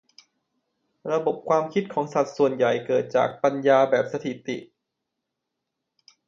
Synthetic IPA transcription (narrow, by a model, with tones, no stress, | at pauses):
ɾa˧bo˨˩p̚kʰwaː˧mkʰi˦˥t̪̚kʰɔː˩˦ŋsa˨˩t̪̚su˨˩ənja˨˩jkɤː˨˩t̪̚t͡ɕa̰ː˨˩k̚pa˧njaː˧bɛː˨˩p̚sa˧t̪ʰi˨˩t̪ḭ˨˩ʔ